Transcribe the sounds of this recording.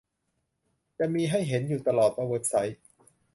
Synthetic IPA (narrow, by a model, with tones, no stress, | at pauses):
t͡ɕa˨miː˧ɦa˥˩jɦe˩˦njuː˨˩t̪a˧lɔː˨˩t̪̚ʔa˧wɤː˨˩t̪̚sa˩˦j